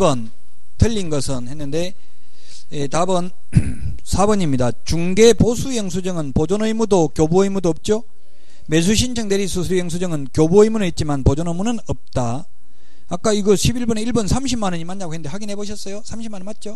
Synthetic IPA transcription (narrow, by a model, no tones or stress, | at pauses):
bʌn | tɯʎːinɡʌsʰɯnhe̞nːɯnde̞ | etabʌn | sʰabʌɲimɲidat͡ɕuŋɡe̞posʰujʌŋsʰud͡ʑʌŋɯnpod͡ʑonʌimudokjobuʌimudoʌp̚t͡ɕ͈o | me̞s̬ʰuɕʰint͡ɕʰʌŋdeɾisʰus̬ʰujʌŋs̬ʰud͡ʑʌŋɯnkjobuʌimunɯit̚t͡ɕ͈imanpod͡ʑonomunɯnʌp̚t͈aː | k̚k͈aiɡʌɕʰibiɭbuneiɭbʌnsʰamɕʰimanɯɲimːanːaɡoɦende̞ɸaɡinɦe̞boɕ̬ʰʌs͈ʌjosʰamɕʰimannmat̚t͡ɕ͈o